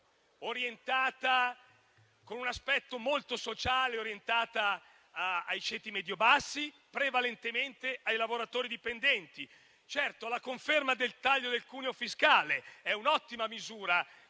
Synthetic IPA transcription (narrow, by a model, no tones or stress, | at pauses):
oɾjent̪aːt̪a | konunaspɛt̪ːomolt̪osot͡ʃaːleoɾjent̪aːt̪aː | jt͡ʃeːt̪imɛd̪jobasːi | pɾevalent̪ement̪eajlavoɾat̪oːɾid̪ipend̪ɛnt̪i | t͡ʃɛrt̪olakoɱfermad̪elt̪aʎːod̪elkuːneofiskaːleɛunɔt̪ːimamizuːɾa